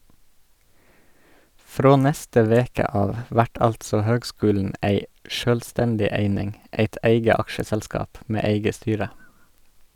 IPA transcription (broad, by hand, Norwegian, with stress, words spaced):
ˈfɾoː ˈnɛstə ˈʋeːkə ˈɑːʋ ˈʋæʈ ˈɑltsɔ ˈhøːɡˌskʉːln̩ ˈæɪ ˈʃøːlˌstɛndɪ ˈeɪnɪŋ ˈeɪt ˈeɪɡə ˈɑkʃəsɛlˌskɑːp ˈmeː ˈeɪɡə ˈstyːɾə